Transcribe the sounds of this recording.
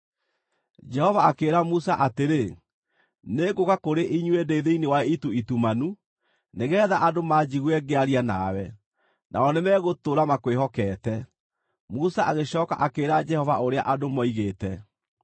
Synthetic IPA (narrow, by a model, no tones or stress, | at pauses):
d͡ʒɛhɔvaːkeːɾamusaʔateɾe | neɡokakoɾeʔiɲwedeiðeinewaituitumanu | neɣɛːðaʔadomad͡ʑiɣwɛɡeaɾiana̰wɛ | nʔa̰ɔnemɛɣotoɾamakwehɔkɛːtɛ | musaʔaɣeɕɔːka̰ʔakeːɾad͡ʒɛhɔvaoɾeaʔadomɔiɣetɛ